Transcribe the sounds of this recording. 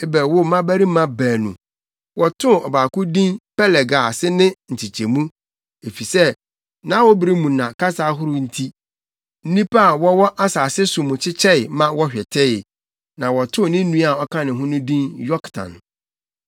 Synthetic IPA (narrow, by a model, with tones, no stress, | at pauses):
e˦bɛ˨wʊ˦mã˦bæ˦ɾi˦mã˦bæː˨nṵ̃˨ | wɔ˨tʰʊ̃˦˨ɔ˨baː˨kʊ̃˦dĩ˦npɛ˦lɛ˨ɡa˨sɪ˦nɪ̃˦n̩˨t͡ɕʰi˨t͡ɕʰe˨mũ˦ | e˨fi˨sɛ˦ | nã˦wɔ˦bɪ˨ɾi˦mũ˨nã˨ka˦saː˦ɦʊ˦ɾʊ˦n̩˦tʰi˦ | n̩˦nĩ˦pa˦a˨wɔ˦wɔ˦ʔa˦saː˨sɪ˦sʊ˨mʊ̃˨t͡ɕʰɪ˦t͡ɕʰɛ˦ɪ˨˦mã˦wɔ˦ɕᶣɛ˨tʰɛ˦jɪ˨ | nã˨wɔ˨tʰʊ̃˦˨nɪ̃˦ũ˦a˨ɔ˦kʰã˦nɪ̃˨ɦʊ̃˦nʊ̃˦dĩ˦njɔ˦ktʰã̰˨n